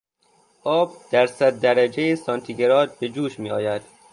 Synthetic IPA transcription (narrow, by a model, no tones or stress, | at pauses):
ʔɒːbd̪̥æɾsæd̪̚ːæɾæd͡ʒejesɒnt̪ʰiɡe̞ɾɒːd̪̚be̞d͡ʒuːʃmiːɒːjæd̪̥